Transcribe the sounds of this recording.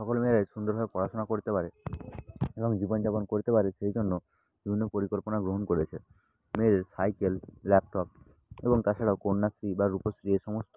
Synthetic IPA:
ʃɔkolmeɾaeʃund̪oɾɦɔepɔɾasonakoɾit̪epaɾe | eboŋd͡ʑibond͡ʑaponkoɾit̪epaɾeʃejd͡ʑonːo | bibʱinːopoɾikolponaɡɾoɦonkoɾet͡ɕʰe | meɾeɾsajkelːɛp̚ʈɔp̚ | eboŋt̪at͡ɕʰaɽaokoɽnːasɾibaɾuposɾieʃɔmost̪o

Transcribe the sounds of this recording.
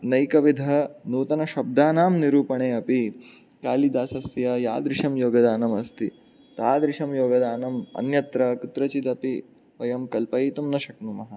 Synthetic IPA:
nɐjkɐʋid̪ʱɐnuːt̪ɐnɐʃɐb̚d̪aːnaːmniɾuːpɐɳeːɐpi | kaːlid̪aːsɐst̪ijɐja̰ːd̪ɾɪʂɐmjoːɡɐd̪aːnɐmɐst̪i | t̪aːd̪ɾɪʃɐmjoːɡɐd̪aːnɐmɐ̰njɐt̪ɾɐkut̪ɾɐt͡ʃit̪ɐpi | ʋɐjɐmkɐlpɐit̪umnɐʃɐknumɐɦɐ̆

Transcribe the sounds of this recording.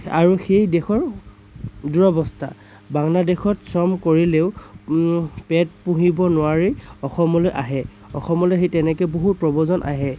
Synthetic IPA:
a̰ɹuxejdɛxɔɹ | duɹɔbɔsta̰ | baŋladexɔtsɔmkoɹileʊ | pɛt̚puɦibɔnʊwaɹiɔxɔmɔlojʔaɦɛ | ɔxɔmɔlojxejtɛnɛkɛboɦut̚pɹɔbɔzɔnʔa̰ɦɛ

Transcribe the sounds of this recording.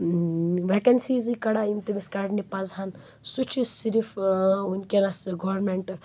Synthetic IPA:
ʋekɐnsizikɐɽaimt̪imiskaɖnipazan | sut͡ʃʰisiɾifunkʲenasɡoɾmeɳʈ

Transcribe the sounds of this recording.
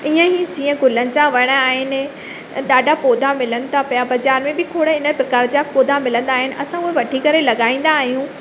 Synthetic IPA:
iːə̃ɦid͡ʑĩːə̃ɡʊlənɪ̆t͡ɕãʋɐɽ̃aːɦɪnɪ | ɗaːɖʱapoːd̪ʱamɪlənɪ̆t̪ʰapɐjabɐd͡ʑaːɾmẽbɪkʰoːɽɪnəpɾɐkaːɾd͡ʑapoːd̪ʱamɪlə̃nd̪aːɦɪnɪ̆ʔɐ̰sãʊɦeʋɐʈʰikɐɾelɐɠaːĩːn̆d̪aːɦijũ

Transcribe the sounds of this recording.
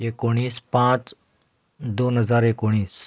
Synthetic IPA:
ekoɽ̃iːspãt͡s | d̪onɦəd͡zaɾekoɽ̃iːs

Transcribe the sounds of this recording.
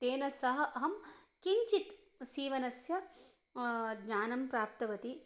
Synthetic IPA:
t̪eːnɐsɐɦɐ̆ʔɐɦɐmkiɲt͡ʃit̪ | siːʋɐnɐsjɐ | ɡɲaːnɐmpɾaːp̚t̪ɐʋɐt̪i

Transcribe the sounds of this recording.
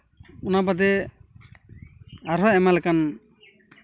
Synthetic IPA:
unabad̪ɛ | aɾɦɔɛmalɛkan

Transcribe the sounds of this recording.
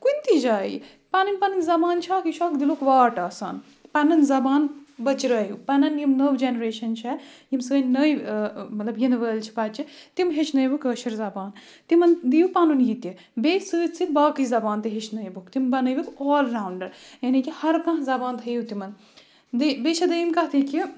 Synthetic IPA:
kunʲt̪id͡ʒaːḭ | panunʲpɐnɨnʲzɐbaːnt͡ʃʰaːkiʃʰaːkd̪iloːkʋaːʈaːsa̰ːn | pɐnɐnzɐbaːnbɐt͡ʃɾɐːjupɐnɐnjimnɐʋd͡ʒenɐɾeːʃɐnt͡ʃʰɛjimsəːnnɐjimɐt̪lɐbjinʋəːlt͡ʃʰi̥pɐt͡ʃit̪imɦet͡ʃʰnɐjbukɐːʃɐɾzɐbaːn | t̪imɐnd̪ijupanunjit̪ji | beːsəːt͡sit̪baːkɨzɐbaːnt̪iɦet͡ʃʰnɐjbukt̪imbɐnɐjbikɔːlɾaːwɳɖɐɾjɐnikihɐɾkɐ̃ɦzɐbaːnt̪ʰɐjut̪imɐn | d̪ibet͡ʃʰɐd̪ɐjimkɐt̪ʰiki

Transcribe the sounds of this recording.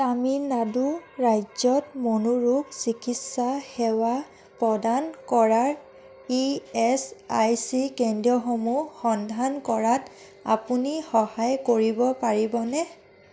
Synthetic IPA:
aminaduɹajzɔtmonuɹuksikitsaxɛwa | pɹɔdankɔɹaɹ | iɛsajsikendiɔxomuxɔndʱankɔɹat | a̰punixɔhajkoɹibɔpaɹibɔnɛ

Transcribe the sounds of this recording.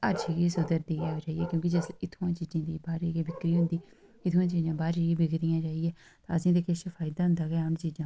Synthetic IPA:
əɾd͡ʒiɡiːsʊd̪əɾd̪iːɡɛːt͡ʃaːijɛːkjõːk̬ɪd͡ʒəsɪt̪ʰoãːt͡ʃiːd͡ʒãːd̪iːbaːɾeɡebɪkɾiːɦʊ̃nd̪iː | ɪt̪ʰːãːt͡ʃiːd͡ʒãːbaːɾeːeːbɪɡt̪ɪjãːt͡ʃaːijɛː | t̪aːəsĩːd̪eːkʰɪʃəfʰaːɪd̪aːɦʊ̃nd̪aːɡɛːənt͡ʃiːd͡ʒãː

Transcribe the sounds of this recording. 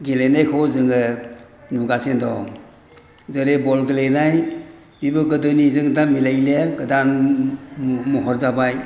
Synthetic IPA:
ɡilejnajkʰɔzɯŋɯnuɡasendɔ | zɯɾebɔlɡilejnaj | bibɯɡɯdɯnizɯŋdamilajleɡɯdan | mɔɦɔɾzabaj

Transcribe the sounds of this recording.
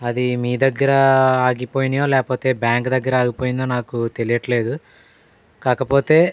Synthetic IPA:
ɐd̪imiːd̪ɐɡːɐɾɐaːɡipo̞ːjinjoːlɛːkɐpo̞ːt̪e̞ːbjaːŋkd̪ɐɡːɐɾɐaːɡipo̞ːjind̪oːnaːkut̪e̞lijɐʈle̞ːd̪u | kaːkɐpo̞ːt̪e̞ː

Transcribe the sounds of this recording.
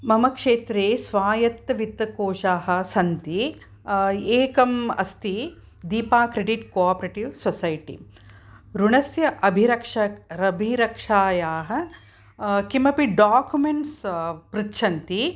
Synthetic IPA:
mɐmɐkʂeːt̪ɾeːsʋaːjɐt̪ːɐʋit̪ːɐkoːʃaːɦɐ̆sɐnt̪i | eːkɐmɐ̰st̪i | d̪iːpaːkɾeɖiʈkoaːpɾeʈiʋsʋɐsɐjʈḭ | ɾuɳɐsjɐʔɐbʱiɾɐkʂɐɾɐbʱiɾɐkʂaːjaːɦɐ̆ | kimɐpiɖaːkjumeɳʈspɾitːʃʰɐnt̪i

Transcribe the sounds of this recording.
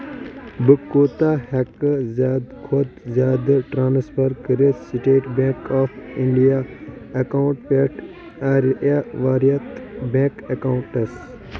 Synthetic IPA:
bɨkːoːt̪ahɛkzaːd̪kʰod̪zaːd̪ʈɾãːnspʰɐɾkəɾissiʈeːʈbẽːkaːfʰiɳɖijaekãːɳʈpeʈ | aɾaʋaːɾijɐt̪bẽːkɐkaũɳʈɐs

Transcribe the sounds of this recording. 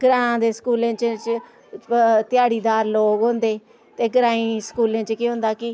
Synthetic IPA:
ɡɾãːd̪eːskuːlẽːt͡ʃt͡ʃ | t̪ɪjaːɽiːd̪aːɾloːɡɦʊ̃nd̪eː | t̪eːɡəɾãːĩːskuːlẽːt͡ʃkiːɦʊ̃nd̪aːkɪ

